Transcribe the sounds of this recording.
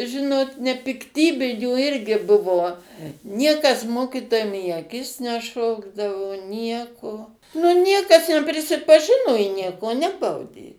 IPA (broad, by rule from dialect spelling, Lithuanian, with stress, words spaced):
ˈʒʲɪnoːt nʲɛpʲɪkˈtʲiːbʲɪnʲuː ˈɪrʲɡʲɪ ˈbʊʋoː ˈnʲiɛkɐs ˈmoːkʲɪtoːjɛm iː ɐˈkʲɪs nʲɛˈʃoːɡdɐʋoː ˈnʲiɛkoː nʊ ˈnʲiɛkɐs nʲɛpʲrʲɪsʲɪpɐˈʒʲɪnoː ɪ ˈnʲiɛkoː ˈnʲæːbɐʊdʲeː